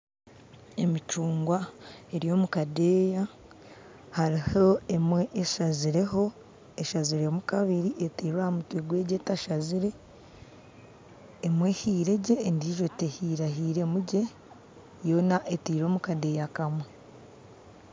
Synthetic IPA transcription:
emit͡ʃuːŋɡwae̞ɾijo̞ːmukadeːja | haɾiho̞emweʔːʃaziɾeho̞ | eʃaziɾemukaβiɾiʔetiːɾwahmutweɡwe̞ːɟe̞taʃaziɾe̞ | mwe̞hiːɾe̞ɟe̞ːndiʒo̞tehiɾaɦiːɾe̞muɟe̞ | jo̞naʔetiːɾo̞ːmukade̞jakamwe

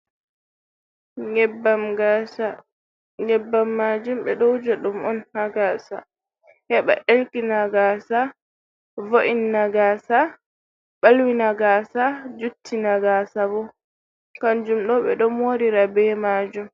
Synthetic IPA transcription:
baɡa | ɲɛbːamːaːd͡ʒumɓɛɗɔwd͡ʒaɗumɔnnaɡaːsa̰ | hɛɓa̰ʔelkinaɡasa | voʔinːaɡaːsa | ɓalwinaɡaːsad͡ʒutʰːinaɡaːsabɔ | kand͡ʒumɗɔɓɛɗɔmoːɾiɾabɛmaːd͡ʒum

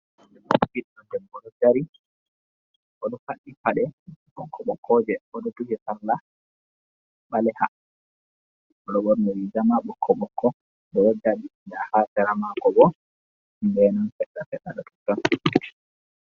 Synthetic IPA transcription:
ɛmɔbiɗɗɔdɛmbɔɗɔd͡ʒaɾi | ʔɔɗɔfaɗːipaɗɛɓɔkʰːɔɓɔkʰːɔd͡ʒɛɔɗɔtuhɛsalːa | ɓalɛha | ɔɗɔwɔɾnɔwid͡ʒamaɓɔkʰːɔɓɔkʰːɔ | ɗɔwɔdaɗidahasɛɾamakɔbɔ | mbɛnanfɛɗːafɛɗːaɗɔtu̥tːɔn

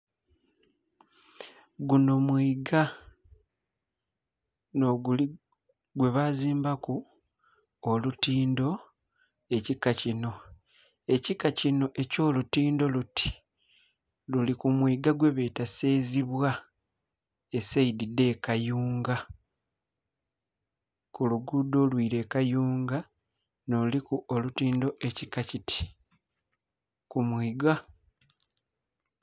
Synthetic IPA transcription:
ɡuno̞mwiːɡa | noɡuli | ɡwe̞βaziːmbaku | olutiːndo̞ | e̞cikːacino̞ | e̞cikːacino̞ʔe̞co̞ːlutiːndo̞luti̥ | lulikumwiːɡaɡwe̞βe̞ːtaseːziβwa | esaididːe̞ːkajuːŋɡa | kuluɡudo̞ːlwiːɾe̞ːkajuːŋɡa | no̞likuolutiːndo̞ʔecikacitʰi̥ | kumwiːɡa

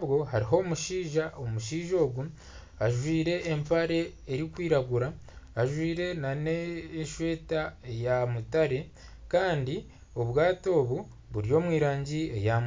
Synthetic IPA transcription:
βɡo̞ɦaɾiɦo̞muʃiːʒaomuʃiːʒo̞ːɡu | aʒwiːɾe̞ʔːmpaɾe̞ːɾikwiːɾaɡuɾaː | ʒwiːɾe̞naneʃwe̞ːtaejamutaɾe̞ | kaːndi | o̞βwaːto̞ːβu | βuɾijo̞ːmwiːɾaːɲɟie̞̰jam

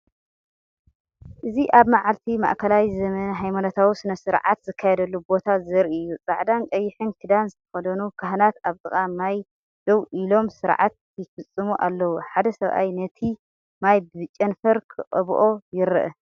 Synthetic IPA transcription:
ʔɨziʔaβmaʕalt̪ʰima̰ʔkʰɐlawizɐmɐnɐɦajmanot̪ʰawusɨnɐsɨɾʕat̪zɨkʰːajɛd̪ɐlːubo̞t̪ʰazɐɾiɨjːut͡sʼaʕd̪ankʼɐjːɪħɨnkʰɨd̪anzɨt̪ʰɐ̥xɐd̪ɐnukʰaɦnat̪aβt̪ʼɨxʼamaj | d̪̥ɐwʔilo̞msɨɾʕa̰t̪̚ʰ | jɪfɨt͡sʼːɨmuʔa̰lːɐwuħad̪ɐsɐβʔa̰jnɐt̪ʰi | majbɨɨt͡ʃʼɐnfɐɾkʰɨqʼɐ̰βʔo̞jɪɾɨ̰ʔɨ̰

